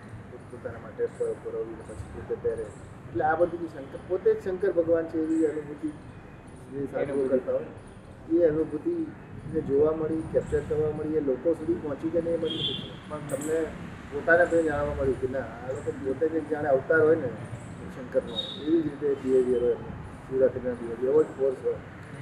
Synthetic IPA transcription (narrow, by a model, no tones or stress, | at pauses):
opot̪anamaʈepəɽəpəɾəʋinepət͡ʃʰi̥t̪uket̪jaɾe | eʈleabəd̪ʱunĩsəŋkəpot̪ed͡ʒsəŋkəɾbʱəɡʋant͡ʃʰeːʋiənibʱud̪i | nisaiokəɾt̪aɦojne | eəmĩbʱut̪i | ned͡ʒoʋaməɭikɛp̚t͡ʃəɾkəɾʋaməɭielokõsud̪ʱipɔɦɔ̃t͡ʃit͡ʃeneeməɽiət̪it͡ʃepəɳt̪əmne | pot̪anep̪əĩd͡ʒaɽ̃ʋaməɭjũkenaːlokõpot̪eked͡ʒãɽ̃eaʋt̪aɾɦojne | sə̃ŋkəɾmãeʋid͡ʒɾit̪epieʋiəɾojene | suɾat̪iɡnãd̪iɦoiəʋəʈfʰoɾsɦoj